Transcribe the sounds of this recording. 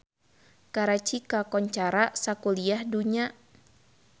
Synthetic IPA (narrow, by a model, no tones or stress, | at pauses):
kaɾat͡ʃikakɔɲt͡ʃaɾasakuliahduɲa